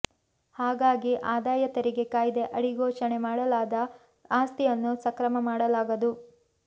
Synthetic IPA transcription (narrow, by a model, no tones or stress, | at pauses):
haːɡaːɡiʔaːd̪aːjɐt̪ɐɾiɡe̞kaːjid̪e̞ʔɐɽiɡɔːʂɐɳe̞maːɽɐlaːd̪ɐ | aːst̪ijɐnːusɐkɾɐmɐmaːɽɐlaːɡɐd̪u